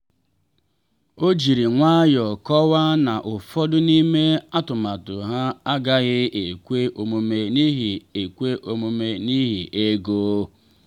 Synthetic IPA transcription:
o˦d͡ʒi˨ɾi˨ŋʷa˦jɔ˨kɔ˦wa˦na˨ʔʊ˨fɔ˦dʊ˦ni˦me˦a˦tʊ˨ma˨tʊ˨ɦa˦a˦ɡa˦ɣɪ˦e˨kʷe˦ʔo˨mo˨me˨ni˦ɦi˨e˨kʷe˦ʔo˨mo˨me˦ni˦ɦi˨ʔe˦ɡoː˦

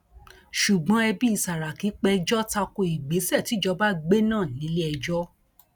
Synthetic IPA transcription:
ʃu˨ɡ͡bɔ̃˨˦ɛ˧bi˦i˦˧˨sa˨ɾa˨ki˨˦k͡pɛ˧d͡ʒɔ˦ta˧ko˧i˨ɡ͡be˨˦sɛ˦˨ti˨˦d͡ʒɔ˧ba˦ɡ͡be˦nãː˦˨nĩ˨˦le˦ɛ˧d͡ʒɔ˦

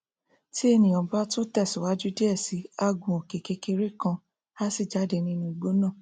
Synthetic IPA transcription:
ti˦e˧nĩ˨ɔ̃˨ba˦to˦tɛ˦˨su˨wa˨˦d͡ʒu˦di˦ɛ˦˨si˨˦a˦˧ɡũ˨o˨ke˨ke˧ke˧ɾe˦kã˧ | a˦si˦˨d͡ʒa˨˦de˨˧nĩ˧nũ˧i˧˨ɡ͡bo˦nã˦˨

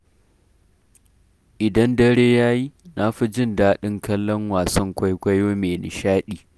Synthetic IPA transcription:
ʔɪ˨dɐ˦ndɐ˦ɽeː˦jaː˦ji˦na˦ɸi˦d͡ʒɪ˦˨ndaː˦ɗɪ˦ŋkɐ˦lːɔ˦ŋwaː˨sɐ˦ŋkʷa˦jkʷɐ˦jwoː˦meː˨nɪ̰˨ʃaː˦ɗiː˨

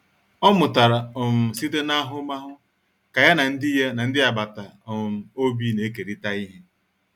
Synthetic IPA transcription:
ɔ˦mʊ˨ta˨ɾa˨ʊ˨m̩˨si˦te˦na˦ɦʊ˦ma˦ɦʊ˦ | ka˨ja˦na˨n̩˦dɪ˦ja˦na˨n̩˦dɪ˦a˨ba˨ta˨ʊ˨m̩˨o˦bi˦ne˨˦k̬e˨ɾi˦ta˦i˦ɦe˦

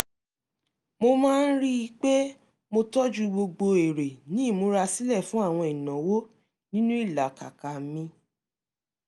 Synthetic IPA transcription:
mo˧mãː˦n̩˦ɾi˦˧k͡pe˦ | mo˧tɔ˦d͡ʒu˦ɡ͡bo˧ɡ͡bo˧e˨ɾe˨nĩ˦˨mo˧˦ɾa˧si˦lɛ˦˨fũ˦a˦˨w̃ɔ̃˧i˨nã˨wo˦ | nĩ˦nũ˦i˦˨la˨ka̰˨ka˨˦mĩ˧

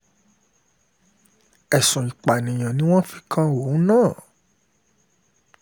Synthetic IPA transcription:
ɛ˨sũ˨ĩ˨k͡pa˨nĩ˨j̃ã˨nĩ˦w̃ɔ̃˦fi˨˧kʰã˦wo˨˦nãː˦˨

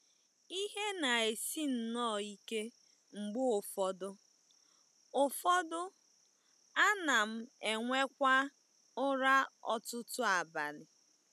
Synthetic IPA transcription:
i˦ɦe˦na˨e˨si˦n̩˨nɔː˦˨i˦ke˦ | ŋ͡m̩˨ɡ͡bʊ˦ʊ˨fɔ˦dʊ˦ | ʊ˨fɔ˦dʊ˦ | a˦na˨m̩˦e˨ŋʷe˦kʷa˦ | ʊ˦ɾa˦ɔ̰˦tʊ˦tʊ˦a˨ba˨lɪ˨

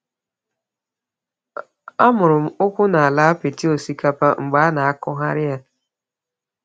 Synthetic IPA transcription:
a˦mʊ˨ɾʊ˨m̩˦ʊ˦kʷʊ˦na˨a˨la˦a˦pɪ˨ti˦o˨si˦ka˦pa˦ŋ͡m̩˨ɡ͡ba˦na˨a˦kʊ˦ɦa˦ɾɪ˦ja˦

